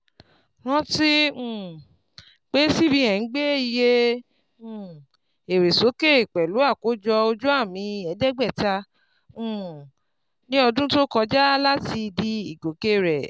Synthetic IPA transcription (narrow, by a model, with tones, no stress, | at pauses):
wɔ̃˦tĩ˦˨ | k͡pe˦si˦bi˧hɛ̃˨˦ɡ͡be˦i˧jẽ˦˨ | e˨ɾe˨so˨˦ke˦˨i˨k͡pɛ˨lu˨˦a˦˨ko˨˦d͡ʒɔ˧o˧d͡ʒu˦a˦˨mĩ˧ɛ˨˦dɛ˦ɡ͡bɛ˦˨tã˧˦˨ | nĩ˦ɔ˧dũ˦to˦kɔ˧d͡ʒa˦la˦ti˧di˧i˨ɡo˨ke˦ɾɛ˨